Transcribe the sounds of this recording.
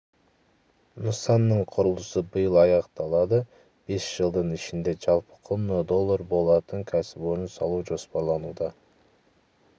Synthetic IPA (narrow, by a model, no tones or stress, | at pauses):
nusɑnːɯɴqʰoɾulˠusubɯjɯlˠɑjɑqt̪ɑlˠɑd̪ɯ | b̥esʒ̥ɯlˠd̪ɯnit͡ʃind̪e̞d͡ʒɑlˠpɯ̥qʰonod̪o̞lˠːoɾbolˠɑt̪ɯŋkʰæsɪbøɾynsɑlˠuːd͡ʒo̞spoɾlˠɑnuːd̪ɑ